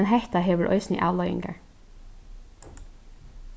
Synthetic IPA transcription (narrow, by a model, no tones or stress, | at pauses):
nɦɛht̪aɦɛːʋʏɹʔɔ̰ʏsnə̰ʔa̰ːʋlœʏjɪ̰ŋka̰ɹ